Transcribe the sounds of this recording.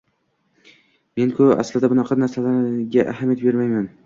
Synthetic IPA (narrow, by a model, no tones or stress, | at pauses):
me̞nkʰʊa̰slɪd̪abʊnaqʰɑnaɾsalaɾɡʲaʔa̰ɦamjat̪̚be̞ɾmajman